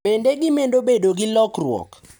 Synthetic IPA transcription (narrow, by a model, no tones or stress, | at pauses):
pendeɡɪmendobedoɡɪlɔkrwɔ̰k